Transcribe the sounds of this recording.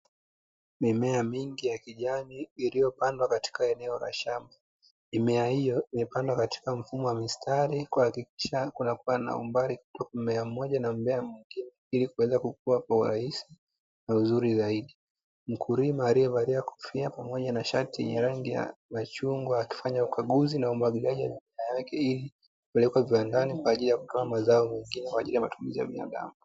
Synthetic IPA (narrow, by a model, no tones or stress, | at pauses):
mimɛamiŋɡijakiʄaniːlijɔpandwakati̥kaɛnɛɔla̰ʃama | mimɛahijɔimɛpandwakati̥kam̩fumɔwamistʰaɾikuhakik̚i̥ʃakunakuana̰ṵmbaɾiku̥tɔkamɛam̩mɔʄanam̩bɛamwiŋɡinɛilikuwɛzakuk̚uakwauɾa̰hisi | nauzuɾizaiɗi | m̩kʰuɾimaːɾiɛvaɾiaku̥fiapamɔʄanaʃatiɛ̰ɲaɾaŋɡija̰mat͡ʃuŋɡwaːki̥faɲaukʰaɠuzinaumaɡilaʄiwaʄumiajakɛili | kupɛlɛkwaviwandanikwaːʄilijaku̥tɔamazaɔmɛŋɡinɛkwaʄilijamatumizija̰ɓina̰ɗa̰mu